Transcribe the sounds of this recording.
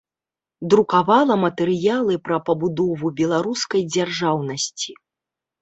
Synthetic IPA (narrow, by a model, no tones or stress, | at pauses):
d̪ɾukavalˠɐmɐt̪ɛɾɨjalˠɨpɾɐpɐbud̪ɔvubʲɛlˠaɾuskɐjd͡zʲarʐawnɐsʲt͡sʲi